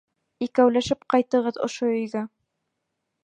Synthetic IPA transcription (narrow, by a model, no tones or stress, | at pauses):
ikæwlæʃɘp̚qɑjt̪ɤ̆ʁɤðŏ̰ʃoɵ̆jɡæ